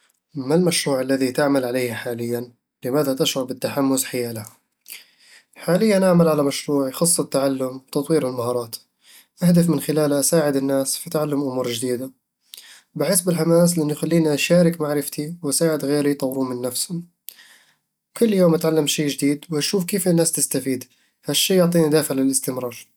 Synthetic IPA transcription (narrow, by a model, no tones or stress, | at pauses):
malmaʃɾuːʕalːaðit̪aʕmalʕalejhħaːlɪjːan | lɪmaːðat̪aʃʕʊɾˤbɪt̪ːaħamːʊzħajaːlah | ħaːlɪjːanʔaʕmalʕalamaʃɾuːʕjxɑsˤːɪt̪ːaʕalːʊmwt̪ɑt̪ˤwiːɾɪlmahɑːɾˤɑːt̪ | ʔahd̪afmɪnxɪlaːlaʔasaːʕɪd̪ɪnːaːsfit̪ʕalːʊmʔʊmuːɾˤd͡ʒɪd̪iːd̪a | bɪħɪsbɪlħamaːslɪʔɪnːujxalːiːniʔaʃaːɾɪkmaʕɾɪft̪iwʔasaːʕɪd̪ɣeːɾit̪ˤɑwɾuːmɪnːafshʊm | kʊlːjoːmʔat̪ʕalːamʃeːd͡ʒɪd̪iːd̪wʔaʃuːfkeːfɪnːaːst̪ɪst̪afiːd̪ | haʃːiːjʊʕt̪ˤiːnid̪aːfɪʕlɪlɪst̪ɪmɾˤɑːɾˤ